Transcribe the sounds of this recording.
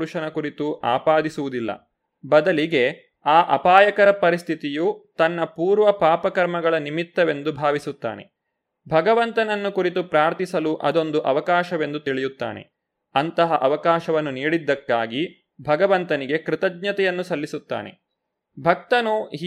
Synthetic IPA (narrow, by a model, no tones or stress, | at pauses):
ɾuʃɐnɐkuɾit̪uʔa̰ːpaːd̪isuʋud̪ilːɐ̰ | bɐd̪ɐliɡe̞ | aːʔɐpaːjɐkɐɾɐpɐɾist̪ʰit̪ijut̪ɐnːɐpuːɾʋɐpaːpɐkɐɾmɐɡɐɭɐnimit̪ːɐʋe̞nd̪ubʱaːʋisut̪ːa̰ːne̞̰ | bʱɐɡɐʋɐnt̪ɐnɐnːukuɾit̪upɾaːɾt̪ʰisɐluʔɐd̪o̞nd̪uʔɐʋɐkaːʃɐʋe̞nd̪ut̪iɭijut̪ːa̰ːne̞̰ | ɐnt̪ɐɦɐʔɐʋɐkaːʃɐʋɐnːuniːɽid̪ːɐkːaːɡi | bʱɐɡɐʋɐnt̪ɐniɡe̞kɾit̪ɐɡɲɐt̪ɛjɐnːusɐlːisut̪ːa̰ːne̞̰ | bʱɐk̚t̪ɐnuɦ